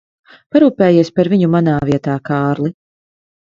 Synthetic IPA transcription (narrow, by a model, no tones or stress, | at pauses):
paɾuːpɛːjiɛspaɾviɲumanaːviɛt̪aːkaːɾli